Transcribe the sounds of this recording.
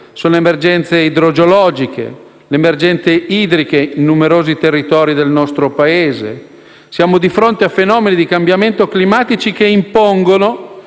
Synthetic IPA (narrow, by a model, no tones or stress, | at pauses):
soːnoemerd͡ʒɛnt̪seid̪ɾod͡ʒolɔːd͡ʒikʰḛ | leːmerd͡ʒɛnt̪seiːd̪ɾikeinːumeɾoːzit̪erːit̪ɔːɾid̪elnɔst̪ɾopaeːzḛ | sjaːmod̪ifɾont̪eafenɔːmenid̪ikambjament̪oklimaːt̪it͡ʃikeimpoŋɡono